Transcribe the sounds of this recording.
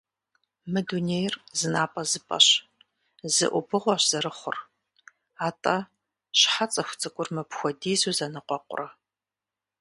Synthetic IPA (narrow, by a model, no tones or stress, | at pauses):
mɨduneːjrzɨnaːpʼɐzɨpʼɐ̰ɕ | zɨ̰ʔʷʊbɨʁʷɔɕz̥ɐɾɨχʷʊ̰r | aːtʼɐ | ɕħat͡sʼɐxʷʊt͡sʼɨkʷʼʊrmɨpxʷɔdiːzuzɐnɨqʷɔqʷʼʊ̰rɐ